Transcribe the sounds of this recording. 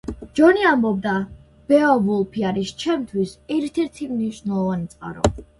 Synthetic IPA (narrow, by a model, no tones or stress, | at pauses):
d͡ʒɔniambɔb̚d̪a | b̥ɛavulˠpʰiaɾist͡ʃʰɛmt̪ʰwisɛɾt̪ʰɛɾt̪ʰimniʃnɛlˠɔvanit̪sʼqʼa̰ɾɔ̰